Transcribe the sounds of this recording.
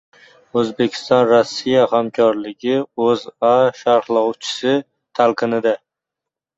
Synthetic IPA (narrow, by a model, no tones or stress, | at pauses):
ɵzbe̞kʲʰɪ̥st̪ɒnɾɔsːijahamkʲʰɒɾlɪɡʲɪɵzaʃaɾhlˠɒwt͡ʃʰɪ̥sɪ | t̪ʰalˠqʰɨnɪd̪a